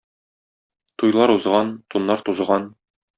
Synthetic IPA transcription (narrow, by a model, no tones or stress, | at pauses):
t̪ujlˠɑɾuzʁɑnt̪unːɑɾt̪uzʁɑn